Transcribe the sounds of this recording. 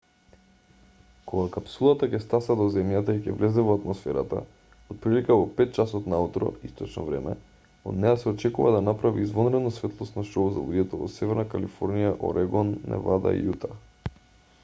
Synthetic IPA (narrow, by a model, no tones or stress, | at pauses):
koɡakapsulˠat̪akɛst̪asad̪ozɛmjat̪aicʲɛvlɛzɛvoat̪mosfɛɾat̪a̰ | ot̪̚pɾilikavopɛt̪̚t͡ʃasɔt̪naut̪ɾo̰ist̪ot͡ʃnɔ̰vɾɛmɛ | o̰d̪nɛjasɛot͡ʃɛkuvad̪anapɾavḭːzvonɾɛd̪nosvɛt̪lˠost̪naʃoza̰lˠuɟɛt̪ovɔ̰sɛvɛɾnakalifɔɾnijaʔo̰ɾɛɡɔnːɛ̰vad̪a̰ḭut̪a